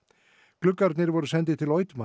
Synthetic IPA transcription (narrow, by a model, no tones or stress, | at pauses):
klʏkːaɾt̪nɪɾvɔɾʏsɛnt̪̬ɪt̪ʰɪlɔːɥt̪ma